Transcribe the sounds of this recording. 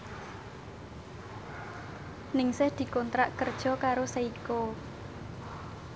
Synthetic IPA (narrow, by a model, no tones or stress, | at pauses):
nɪŋsɪhd̪̥i̤kont̪ɾaʔkərd̥ʒ̥ɔ̤kaɾosaiko